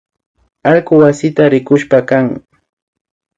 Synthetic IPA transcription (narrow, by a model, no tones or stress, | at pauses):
alkʊwasɪt̪aɾɪkʊʃpakaŋ